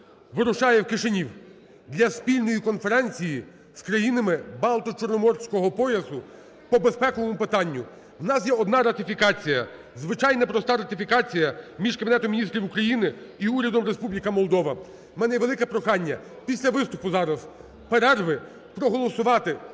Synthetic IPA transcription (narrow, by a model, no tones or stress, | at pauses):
ʋɪɾʊʃɑjɛwkɪʃenʲiw | d̪lʲɐspʲilʲnɔjikɔnfeɾɛnʲt͡sʲiji | skɾɐjinɐmɪbɑlˠt̪ɔt͡ʃɔrnɔmɔrsʲkɔɦɔpɔjɐsʊ | pɔbespɛkɔlˠɔmʊpɪt̪ɑnʲːʊ | wnɑsjɛɔd̪nɑɾɐt̪ɪfʲikɑt͡sʲijɐ | zʋɪt͡ʃɑjnɐpɾɔst̪ɑɾɐt̪ɪfʲikɑt͡sʲijɐmʲiʒkɐbʲinɛt̪ɔmʲinʲist̪ʲɾʲiwukɾɐjinɪiuɾʲɐd̪ɔmɾespublʲikɐmɔlˠd̪ɔʋɐ | mɛnɛjɛʋelˠɪkɛpɾɔxɑnʲːɐ | pʲisʲlʲɐʋɪst̪ʊpʊzɑɾɐz | peɾɛrʋɪ | pɾɔɦɔlˠɔsʊʋɑt̪ɪ